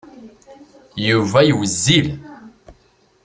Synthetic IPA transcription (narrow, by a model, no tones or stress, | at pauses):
juvæjwəzːil